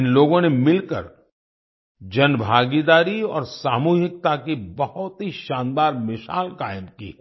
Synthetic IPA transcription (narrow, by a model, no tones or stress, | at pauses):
ɪnloːɡõnemɪlkə̰ɾ | d͡ʒɐnbʱaːɡid̪aːɾiɔːɾsaːmuːɦɪk̚t̪akibɐhʊt̪ɦiʃãːnd̪aːɾmɪʃa̰ːlkaːɪəmkḭː